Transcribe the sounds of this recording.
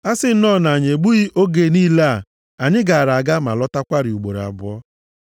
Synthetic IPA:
a˦sɪ˦n̩˦nɔ˦˨na˨ɲe˨ɡ͡bu˦ɣi˦ʔo˦ɡe˨niː˦la˦a˦˨ | a˨ɲɪ˦ɡa˨a˨ɾa˨ɡa˦ma̰˨lɔ˦ta˦kʷa˦ɾɪ˨u˨ɡ͡bo̰˨ɾa̰˨bʊ˦ɔ˦

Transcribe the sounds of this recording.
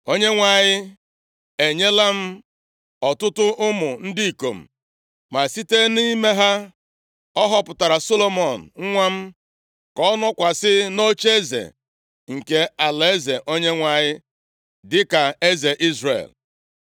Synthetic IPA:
o˦ɲe˦ŋʷa˨ɲɪ˦ | e˨ɲe˦la˦m̩˦ | ɔ˨tʊ˦tʊ˦ʔʊ˦mʊ˨n̩˦di˦i˨ko̰˨m̩̰˨ | ma˨si˦te˦ni˦me˦ɦa˦ | ɔ˦ɦɔ˦pʊ˨ta˨ɾa˨so˦lo˦mɔ˨n̩˨ŋ̩˦ŋʷa˦m̩˦ | kɔ˦nɔ˦kʷa˨sɪ˦no˦t͡ʃe˦zḛ˨ | ŋ̩˨ke˦a˨le˨e˦ze˨ʔo˦ɲe˦ŋʷa˨ɲɪ˦ | dɪ˦ka˨e˦ze˨ʔi˦zrḛ˨l

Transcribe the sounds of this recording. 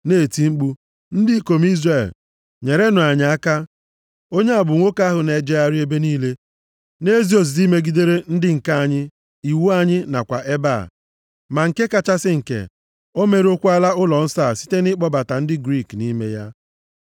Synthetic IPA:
neː˦˨ti˨ŋ͡m̩˦k͡pu˦ | n̩˦di˦ko˨m˦i˦zre˨l | ɲe˨ɾe˦nʊ˨a˨ɲɪ˨˦a˦ka˦ | o˦ɲe˦a˨bʊ˨ŋʷo˦ka˦ɦʊ˨ne˨d͡ʒe˦a˦ɾɪ˦e˦be˦niː˦le˦ | ne˦zi˦o˨z̬i˨zi˦me˦ɡi˦de˦ɾe˦n̩˦dɪ˦ŋ̩˨ka˦a˨ɲɪ˦ | i˨wu˦a˦ɲɪ˦na˨kʷa̰˨ʔe˦ba̰˦˨ | ma˨ŋ̩˨ke˦ka˨t͡ʃa˦sɪ˦ŋ̩˨kḛ˨ | o˦me˨ɾo˦kʷu˦a˦la˦ʊ˦lɔ˨n̩˦sa˦˨si̥˦te˦nɪ˦k͡pɔ˦ba˨ta˨n̩˦dɪ˦ɡɾi˦˨kni˦me˦ja˦

